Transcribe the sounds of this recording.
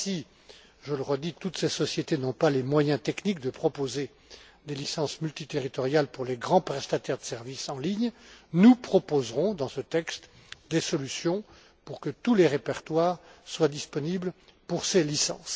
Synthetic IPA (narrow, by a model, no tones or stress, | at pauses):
si | ʒələʁəd̪it̪ut̪sesɔsjet̪enɔ̃palemwajɛ̃t̪ɛknik̚d̪əpχɔpoze | d̪elisɑ̃smylt̪it̪eʁit̪ɔʁjalpuʁleɡʁɑ̃pχɛst̪at̪ɛʁd̪əsɛʁvisɑ̃liɲnupχɔpozʁɔ̃d̪ɑ̃sət̪ɛkst̪ | d̪esɔlysjɔ̃ | puʁkət̪uleʁepɛʁt̪waːʁswad̪ispɔniblpuʁselisɑ̰̃s